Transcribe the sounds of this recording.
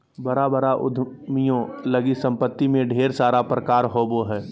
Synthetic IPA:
bəɾabəɾaʔʊ̰d̪ʱ | mijõləɡisə̃mpət̪ːimẽɖʱeːɾsaːɾapɾəkaːɾɦoboɦɛː

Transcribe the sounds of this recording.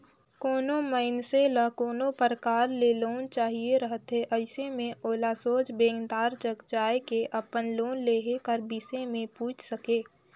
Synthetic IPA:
koːnoməɪnseləkoːnopəɾkaːɾleloːnt͡ʃaːɦieɾəɦət̪ɦeʔəɪsemẽoːlasoːd͡ʒbẽːŋɡd̪aːɾd͡ʒəɡd͡ʒaːekeʔəpənloːnleːɦekəɾbisemẽpuːt͡ʃʰsəkeː

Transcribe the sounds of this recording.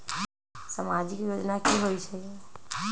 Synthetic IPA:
samad͡ʒikjod͡ʒnakiɦojt͡ʃʰə

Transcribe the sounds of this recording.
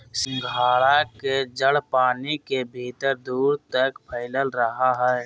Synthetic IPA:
sɪ̃ŋɡʱaːɭaked͡ʒəɽpaːnikebʱiːt̪əɾd̪uːɾt̪əkpʰəɪləlɾəɦaɦɛː

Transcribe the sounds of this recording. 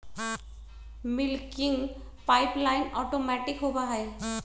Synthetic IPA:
mɪlkɪ̃ŋɡ | paːɪplaːɪnɔːʈoːmɛːʈɪkɦobaɦɛː

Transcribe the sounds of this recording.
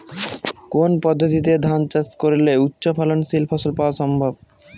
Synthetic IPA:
konpɔd̪ʱːot̪it̪ed̪ʱant͡ɕaskoɾleut̪ːɕopʰalonsilfʰɔsolpaoaʃɔmbʱob̚

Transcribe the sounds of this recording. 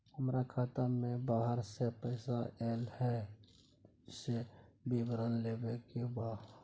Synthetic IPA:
həmɾakʰaːt̪əɾmẽbaːɦəɾsepəɪsaʔɛːlhɛ | sebibəɾənleːbekebaː

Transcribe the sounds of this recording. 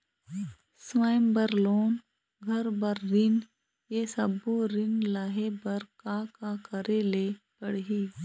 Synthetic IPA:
sʋaːmbəɾloːn | ɡʱɐɾbəɾːɪn | jesɐboɾɪnlaɦebɐɾkaːkakəɾeleː | pəɽɦiː

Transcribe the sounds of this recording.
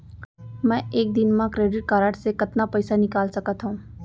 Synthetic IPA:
mɛ̃ʔeːk̚d̪ɪnmãkɾeːɖɪʈ̚kaːɾaːʈsekɐt̪napɐɪsanɪkaːlsɐkət̪ɦũː

